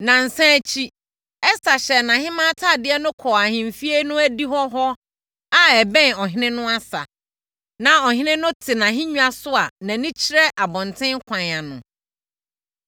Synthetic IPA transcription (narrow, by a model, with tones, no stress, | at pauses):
nã˨n̩˨sã˦˨t͡ɕʰi˦ | ɛ˦sa˨ɕɛ˨nã˨hɪ̃˦mã˦tʰa˦˨dɪ˦ɛ˦nʊ̃˦kʰɔ˨a˨hɪ̃˨m̩˨fi˦e˦nʊ̃˦æ˦di˦ɦɔ˦ɦɔ˦ | a˦ɛ˨bɛ̃˦nɔ˨ɦɪ̃˦nɪ̃˦nʊ̃˦a˦sa̰˨ | nã˨ɔ˨ɦɪ̃˦nɪ̃˦nʊ̃˦tʰɪ˨nã˨ɦɪ̃˦ɲũ˦a˨sʊ˦a˨nã˨nɪ̃˦t͡ɕʰɪ˦ɾɛ˦ʔa˨bɔ̃˨ntʰɪ̃˦ŋ˦kʷʰã˨n˨a˨nʊ̃˨